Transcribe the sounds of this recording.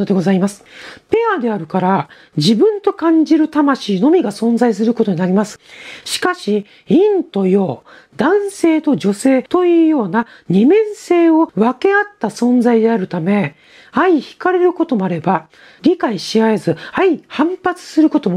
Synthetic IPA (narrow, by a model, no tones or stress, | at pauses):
od̪eɡo̞zaimasɨ̥pe̞ad̪e̞aɾɯ̟kaɾa | d͡ʑibɯ̟̃nt̪o̞kãɲ̟d͡ʑiɾɯ̟t̪amaɕiːno̞mʲiɡasõ̞nzais̬ɨɾɯ̟ko̞t̪o̞ɲ̟inaɾʲimasɨ̥ɕi̥kaɕi | ĩnt̪o̞jo̞ː | d̪̥ãɰ̃se̞ːt̪o̞d͡ʑo̞se̞ːt̪o̞jɯːjo̞ːna | ɲ̟imẽ̞ɰ̃se̞ːo̞βake̞at̪ːasõ̞nd͡zaid̪e̞aɾɯ̟t̪ame̞ | aiçi̥kaɾe̞ɾɯ̟ko̞t̪o̞mo̞aɾe̞ba | ɾʲikaiɕiae̞zɨaihãmpat͡sɨ̥sɨɾɯ̟ko̞t̪o̞m